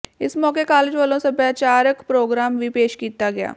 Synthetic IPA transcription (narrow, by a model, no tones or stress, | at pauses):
ɪsmɔːkekaːled͡ʒʋəːlõsɐbjaːt͡ʃaːɾəkpɾoːɡɾaːmʋipeːʃkiːt̪aɡɐja̰ː